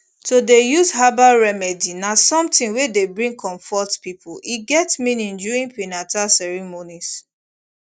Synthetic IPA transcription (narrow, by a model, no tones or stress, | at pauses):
todejuzɦabaɹɛmɛdinasɔ̃mtĩŋwedebɹĩŋkʰɔ̃ɱfɔtpipʊliɡɛtmĩnĩnduɹĩŋpinatasɛɹimonis